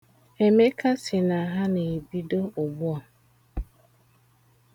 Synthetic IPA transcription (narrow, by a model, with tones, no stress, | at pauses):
e˨me˦ka˦sɪ˨na˨ɦa˦ne˨e˨bi˦do˦ʊ˨ɡ͡bʊ˦ɔ˨